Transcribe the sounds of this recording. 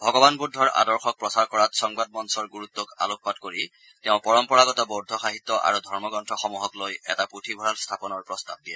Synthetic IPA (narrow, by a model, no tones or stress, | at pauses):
bʱɔɡɔbanbudʱːɔɹa̰dɔɹxɔk̚pɹɔsaɹkɔɹatsɔŋbad̚mɔnsɔɹɡuɹut̪ːɔka̰lok̚patkoɹi | tɛʊ̃pɔɹɔmpɔɹaɡɔtɔbɔdʱːɔxaɦit̪ːɔʔa̰ɹudʱɔɹmɔɡɔntʰɹɔxɔmuɦɔklojɛ̰taputʰibʱɔɹalstʰapɔnɔɹpɹɔstab̚diɛ